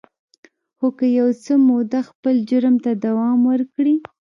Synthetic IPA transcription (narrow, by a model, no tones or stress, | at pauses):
xokəjawt͡səmod̪axpəld͡ʒʊɾmt̪ad̪awɑmwəɾkɽi